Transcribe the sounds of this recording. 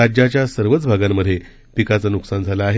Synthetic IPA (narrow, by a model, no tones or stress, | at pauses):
ad͡ʑjat͡ɕjasəɾʋət͡sbʱaɡamːəd̪ʱːje | pikat͡sanuksand͡zʱalaːɦe